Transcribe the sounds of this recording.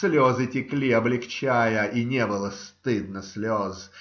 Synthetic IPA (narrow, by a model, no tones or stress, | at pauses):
slʲozɨtʲɪklʲiɐblʲɪkt͡ɕæjəʔinʲebɨlˠəst̪ɨd̪̚nəsʲlʲoz